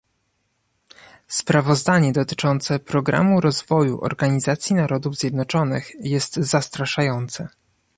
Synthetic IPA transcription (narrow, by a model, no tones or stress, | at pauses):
spɾavɔzd̪aɲɛd̪ɔt̪ɘ̥t͡ʂɔnt̪sɛpɾɔɡɾa̰muɾɔzvɔjṵʔɔ̰ɾɡaɲizat̪sʲjinaɾɔd̪uvzʲjɛd̪nɔt͡ʂɔnɘxjɛst̪zast̪ɾaʂajɔnt̪sɛ